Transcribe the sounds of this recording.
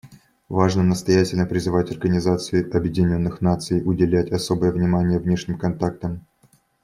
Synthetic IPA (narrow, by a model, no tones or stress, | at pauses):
vaʐnənəst̪ɐjætʲɪlʲnəpɾʲɪzɨvatʲɐrɡənʲɪzat̪sɨɪʔɐbjɪdʲɪnʲo̞nːɨxnat̪sɨjʊdʲɪlʲætʲɐso̞bəjəvnʲɪmanʲɪjəvnʲeʂnʲɪmkɐnt̪ak̚t̪əm